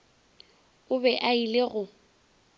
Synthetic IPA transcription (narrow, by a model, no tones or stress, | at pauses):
ʊbɛʔaileɣʊ